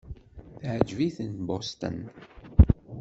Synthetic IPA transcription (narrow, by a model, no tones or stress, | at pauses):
θʕəd͡ʒviθənbost̪ə̰n